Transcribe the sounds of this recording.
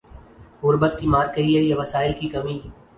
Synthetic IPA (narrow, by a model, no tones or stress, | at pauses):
ɣʊɾbət̪̚kimaːɾkəiejaʋɐsaːɪlkikɐmiː